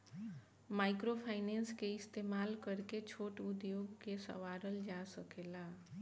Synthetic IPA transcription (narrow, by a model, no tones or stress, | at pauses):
maɪkɾopʰaɪnenskeɪst̪emalkəɾket͡ʃʰoʈud̪joɡkesə̰ʋaɾəld͡ʒasəkela